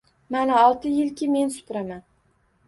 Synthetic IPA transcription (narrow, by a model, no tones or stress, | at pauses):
manaɒlˠt̪ʰɪjɪlkʲɪme̞nsʊ̥pɾaman